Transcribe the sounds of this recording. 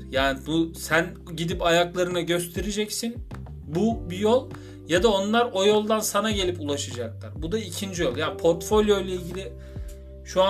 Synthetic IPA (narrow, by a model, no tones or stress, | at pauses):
jaːnibusæn | ɟid̪ipajaklˠaɾɯnaɟø̞st̪ʰe̞ɾed͡ʒɛcsin | bubijo̞lˠ | jad̪ao̞nlˠaɾo̞jo̞lˠd̪ansanaɟe̞lʲipulˠaʃɯd͡ʒaklˠa̰ɾbud̪aicʰind͡ʒijo̞lˠjaːnpʰo̞ɾt̪fo̞lʲjo̞jlʲeilɟilʲɪ | ʃua